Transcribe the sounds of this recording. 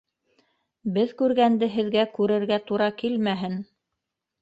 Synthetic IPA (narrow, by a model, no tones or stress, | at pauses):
bɘðkʉɾɡænd̪ɘɦɘ̆ðɡækʉɾɘ̆ɾɡæt̪uɾɑkilmæɦɘn